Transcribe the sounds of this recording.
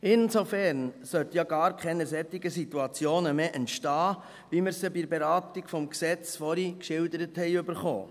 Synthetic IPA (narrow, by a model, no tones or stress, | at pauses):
ɪnsofɛɾnsœt̪jɑɡɑːɾkχɛnəsɛt̪ːiɡ̥əsit̪uɑt͡sjoːnəmeːʔɛntʃtɑː | ʋiməɾsəbiɾbɛɾɑːtiɡfɔmksɛt͡sfɔɾikʃɪld̪əɾəthɛɪɵbəɾχo̰ː